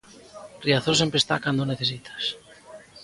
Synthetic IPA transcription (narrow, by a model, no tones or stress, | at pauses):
riaθosempɾest̪a̰kand̪oneθes̬it̪ʰḁs